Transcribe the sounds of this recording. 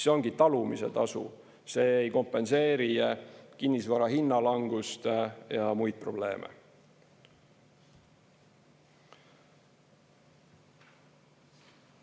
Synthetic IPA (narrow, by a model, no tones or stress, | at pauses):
seo̞ŋɡ̥it̪ɑlumise̞̰t̪ɑsṵ | se̞ːejko̞mpːˑe̞nse̞ːɾijekinːisvɑɾɑhinːɑlɑŋɡ̥ust̪jɑmujd̪̥̚pro̞ble̞̰ːmḛ